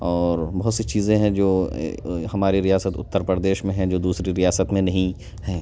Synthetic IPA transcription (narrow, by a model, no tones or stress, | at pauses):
ɔːɾbɐɦʊt̪sit͡ʃiːzẽɦɛ̃d͡ʒo̰ː | hɐmaːɾiɾijaːsət̪ʊ̰t̪ːəɾpɾɾəd̪eːʃmẽɦɛ̃d͡ʒoːd̪uːsɾiɾijaːsət̪mẽnɐɦĩ | hɛ̃ː